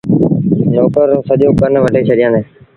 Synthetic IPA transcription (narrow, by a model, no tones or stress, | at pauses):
noːkəɾsəʄõːkəneːʋəʈeːt͡ʃʰeːɗɪjãːneː